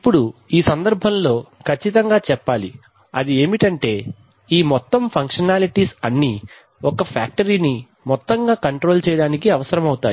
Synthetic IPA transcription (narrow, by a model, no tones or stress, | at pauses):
ipːuɽuiːsɐnd̪ɐɾbʱɐmlo̞ːkʰɐt͡ʃːit̪ɐŋɡaːt͡ʃɛpːaːli | ɐ̰d̪ie̞ːmiʈɐɳʈe̞ː | iːmɔt̪ːɐmpʰɐŋkʂɐnaːliʈiːsɐnːi | ɔkɐpʰa̰ːk̚ʈɐɾiːni | mɔt̪ːɐŋɡaːkɐɳʈɾo̞ːlt͡ʃɛːjɐɽaːnikiɐʋɐsɐɾɐmɐwut̪aːji